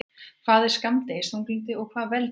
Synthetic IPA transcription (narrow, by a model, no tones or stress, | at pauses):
kʰvaːðɪɾ̥skamt̪ejshunklint̪ɪɔɣkʰvaːðvɛl